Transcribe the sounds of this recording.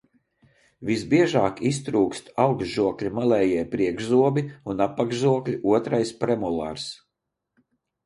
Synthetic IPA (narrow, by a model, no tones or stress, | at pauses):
visbiɛʒaːkis̬t̪ɾuːkst̪awɡzʒuɔklʲimalˠɛːjiɛpɾiɛɡʒzuɔbiunapːaɡʒuɔklʲiʔuɔt̪ɾajspɾɛmulˠa̰ɾs